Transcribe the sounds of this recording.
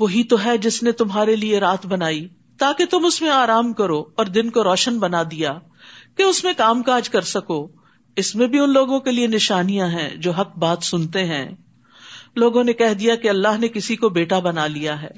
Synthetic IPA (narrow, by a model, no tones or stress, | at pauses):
ʋoɦit̪oɦɛd͡ʒɪsnet̪ʊmɦaːɾelieɾaːt̪ʰbɐnaːi | t̪aːket̪ʊmʊsmẽaːɾaːmkɐɾoɔːɾd̪ɪnkoɾɔːʃənbɐnad̪ija | keʊsmẽkaːmkaːd͡ʒkɐɾsɐkoː | ɪsmẽbʱiʊnloːɡõkelienɪʃaːnijãɦɛ̰̃ːd͡ʒoːɦɐk̚baːt̪sʊnt̪eɦɛ̰̃ː | loːɡõnekɛɦd̪ijakeɐlːaːɦnekɪsikobeːʈabɐnalijaɦɛ̰ː